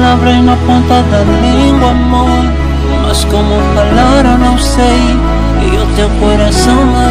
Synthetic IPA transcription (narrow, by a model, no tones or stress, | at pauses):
lavɾẽjnɐpõnt̪ad̪alĩŋɡwamo | ɾ | mɐskõmʊfalaɾonɐ̃w̃sej | iʊt̪ewkoɾasɐ̃w̃na